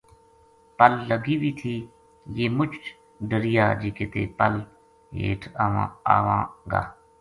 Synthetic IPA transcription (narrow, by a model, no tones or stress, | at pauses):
pəlːəɡiːʋiːt̪ʰiː | jeːmʊt͡ʃʰt͡ʃ | ɖəɾɪjaːd͡ʒeːkeːt̪ḛːpəl | ɦḛːʈʰaːʋã̰ːa̰ːʋãːɡa̰ː